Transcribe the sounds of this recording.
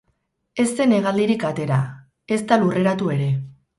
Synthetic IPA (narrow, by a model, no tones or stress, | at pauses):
e̞st̪e̞ne̞ɣald̪iɾikat̪e̞ɾa | e̞st̪alure̞ɾat̪ue̞ɾe̞